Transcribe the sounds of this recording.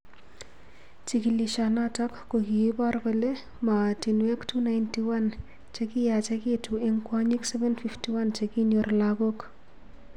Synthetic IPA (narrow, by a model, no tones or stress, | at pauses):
t͡ʃikiliʃanatakːokiibarbɔle | matinwektʰunajntiwan | t͡ʃekijat͡ʃekituɪŋkwaɲiksɛvɛnfiftiwant͡ʃekinorlaɡok